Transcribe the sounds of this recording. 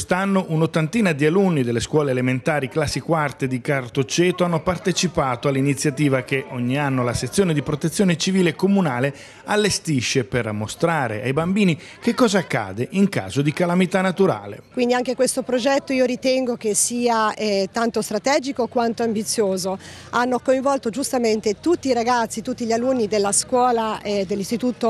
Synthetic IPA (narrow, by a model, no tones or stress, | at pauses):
st̪anːoʔunot̪ːant̪iːnad̪ialunːid̪elːeskwɔːleːlement̪aːɾiklasːikwart̪ed̪ikart̪ot͡ʃɛːt̪oanːopart̪et͡ʃipaːt̪oalːinit̪sːjat̪iːvak̟eʔoɲːianːolaset̪sːjoːned̪ipɾot̪et̪sːjoːnet͡ʃiviːlekomunaːle | alːest̪iʃːepermːost̪ɾaːɾḛa̰jbambiːni | k̟ekːɔːzaakːa̰ːd̪eʔiŋka̰ːzod̪ikalamit̪anːat̪uɾa̰ːlḛkwind̪iaŋkekwest̪opɾod͡ʒɛt̪ːoiːoɾit̪ɛŋɡokesiːaɛt̪ant̪ost̪ɾat̪ɛːd͡ʒikokwant̪oambit̪sːjoːzo | anːokoiɱvɔlt̪od͡ʒust̪ament̪et̪ut̪ːiːɾaɡat̪sːit̪ut̪ːiʎalunːid̪elːaskwɔːlad̪elːist̪it̪uːt̪o